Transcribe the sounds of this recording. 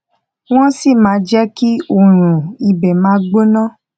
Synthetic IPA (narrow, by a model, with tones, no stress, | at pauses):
w̃ɔ̃˦si˦˨mãː˨˦d͡ʒɛ˦ki˦o˦˨ɾ̃ũ˨i˧bɛ˨mãː˨˦ɡ͡bo˦nã˦